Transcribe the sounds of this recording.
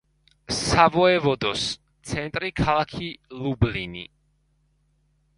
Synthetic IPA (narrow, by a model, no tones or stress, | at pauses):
savɔɛvɔd̪ɔs | t̪sʰɛnt̪ʼɾikʰalˠakʰilublini